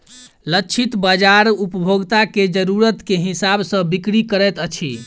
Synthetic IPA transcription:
lət͡ʃʰit̪bad͡ʒaɾupəbʱoɡt̪aked͡ʒəɾuɾət̪keɦisabsə̃bikɾikəɾɛt̪ət͡ʃʰi

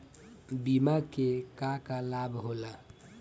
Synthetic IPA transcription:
bimakekakalabɦola

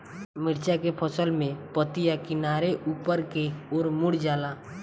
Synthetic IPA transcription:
mɪɾt͡ʃakepʰəsəlmẽpət̪ɪjakɪnaːɾeʔuːpəɾkeoːɾmʊɽd͡ʒaːlaː

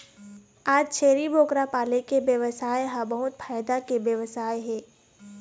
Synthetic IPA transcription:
aːd͡ʒt͡ʃʰeːɾibʱoːkɾapaːlekebjəʋəsaːjɦabɐɦʊt̪̚pʰaːjd̪akebjəʋəsaːjɦɛ̃ː

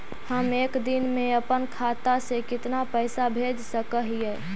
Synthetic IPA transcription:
həmeːkd̪ɪnmẽəpənkʰaːt̪asekɪt̪napəːsabʱeːd͡ʒsəkəɦiɦɛ

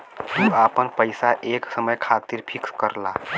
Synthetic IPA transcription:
uapənpəjsaʔeksəməjkʰat̪iɾpʰikskəɾla̰

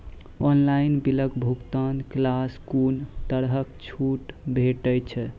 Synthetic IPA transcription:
ɔnlainbiləkbʱukt̪anklaskunt̪əɾɦəkt͡ʃʰuʈbʱeʈəjt͡ʃʰɛ

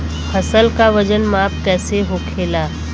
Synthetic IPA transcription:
pʰəsəlkaʋəd͡ʒənmaːpkɛːseɦoːkʰeːlaː

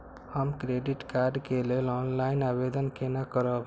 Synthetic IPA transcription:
həmkɾeɖiʈkaɾɖkelelɔnlaɪinabed̪ənkenakəɾəb

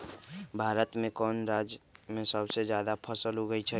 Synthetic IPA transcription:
bʱaːɾət̪mẽkɔːnɾaːd͡ʒmẽsəbsed͡ʒjaːd̪apʰəsəlɦoɡəit͡ʃʰɛ

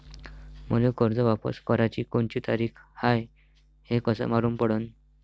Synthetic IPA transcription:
məlekəɾd͡zəʋapə̰skəɾat͡ɕiːkoɳt͡ɕiːt̪aɾiːkʰhaj | hekəsə̰maɾuːnpəɽən

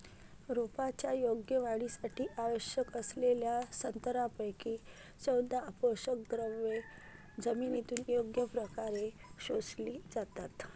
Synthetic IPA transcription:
ɾupat͡ɕjajoɡjəʋaɽisaʈʰiːʔaʋəɕjəkəsleljasənt̪əɾapəjkiː | səwd̪aəpoɕəkɡɾəʋe | d͡zəminit̪uːnjoɡjəpɾəkaɾeɕosliːd͡zat̪at̪

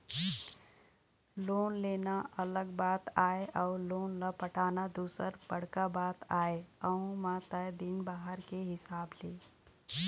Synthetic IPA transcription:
loːnleːnaələɡbaːt̪aːeʔɔːɾloːnləpəʈʰaːnad̪uːsəɾbəɽ̤kabaːt̪aːeəɦũmãt̪əd̪ɪnbaːɦəɾkeɦɪsaːbleː

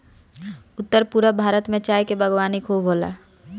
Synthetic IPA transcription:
ʊt̪ːəɾpuːɾabʱaːɾət̪mẽt͡ʃaːjkebəɡwaːnikʰobʱoːla̰

